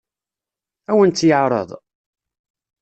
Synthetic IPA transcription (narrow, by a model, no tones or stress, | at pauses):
æwənt̪ːjəʕɾˤə̰ðˤ